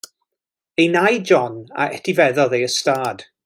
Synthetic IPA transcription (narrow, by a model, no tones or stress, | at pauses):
ejnajd͡ʒɔna̰ɛtʰivɛðɔðejəstaːd̥